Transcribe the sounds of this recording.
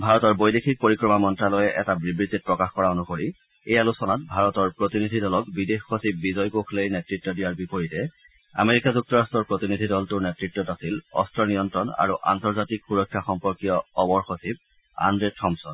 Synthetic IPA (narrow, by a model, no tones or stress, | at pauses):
bʱaɹɔtɔɹbojdexʰik̚poɹikɹɔmamɔntɹalɔjɛʔɛtabɹibɹizit̚pɹɔkaxkɔɹaonukoɹi | ejalusɔnatbʱaɹɔtɔɹpɹotinidʱidɔlɔkbidexxosibːizɔjkokʰlejnetɹitːɔdijaɹbipoɹitɛ | a̰meɹikazuk̚tɔɹastɔɹpɹotinidʱidɔltʊɹnetɹitːɔtasilɔ̰stɹɔnijɔntɹɔna̰ɹuʔa̰ntɔɹzatikxuɹɔkʰːjaxɔmpɔɹkijɔɔbɔɹxosib̚ | a̰ndɹetʰɔmsɔn